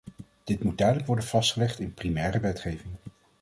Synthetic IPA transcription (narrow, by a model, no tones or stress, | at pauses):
d̥ɪtmud̚dœɥdələkʋɔɹdənv̥ɑstχəlɛχtɪnprimɛːrəʋɛtχejvɪŋ